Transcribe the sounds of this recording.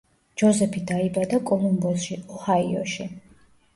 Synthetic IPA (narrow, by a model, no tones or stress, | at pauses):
d͡ʒɔzɛpʰid̪aibad̪akʼɔlˠumbɔsʃiɔhaiɔ̰ʃi